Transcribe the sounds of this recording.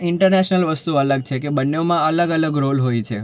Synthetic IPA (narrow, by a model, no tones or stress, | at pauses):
ɪɳʈəɾneʃnəlʋəst̪uələɡ̚t͡ʃʰekebənːeomãələɡələɡɾolɦojt͡ʃʰe